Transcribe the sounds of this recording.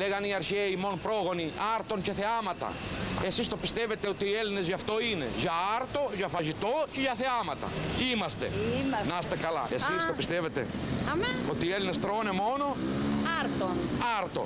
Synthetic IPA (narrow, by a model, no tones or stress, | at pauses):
leɣaniaɾçeimonpɾoɣoniaɾt̪ont͡ʃeθeamat̪ɐ̰esist̪opist̪evet̪eot̪ielinezʝaft̪oinḛʝaaɾt̪oʝafaʒit̪oceʝaθeamɐt̪ɐ̰imɐst̪ḛnast̪ekala̰ʔesist̪opist̪evet̪ḛameot̪ielinest̪ɾonemonoaɾt̪onaɾt̪o̰